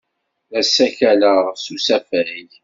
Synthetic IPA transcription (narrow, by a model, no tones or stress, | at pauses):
æsːæçæləʁsusæfæj